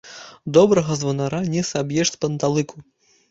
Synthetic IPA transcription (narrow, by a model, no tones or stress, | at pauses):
d̪ɔbɾɐɣɐzvɐnaɾanʲɛsabjɛʂtʲpɐnt̪alˠɨku